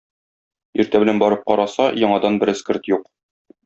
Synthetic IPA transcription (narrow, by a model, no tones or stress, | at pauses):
iɾt̪æbɘ̆lænbɒɾɤp̚qɒɾɑsɑjɒɴɑd̪ɑnbɘɾɘ̆skɘɾt̪juq